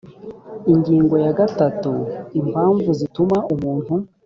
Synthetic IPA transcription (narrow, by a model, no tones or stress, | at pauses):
iɲɟiːŋɡo̞jaɡatatuimaːɱvuzitumaumuːn̥hu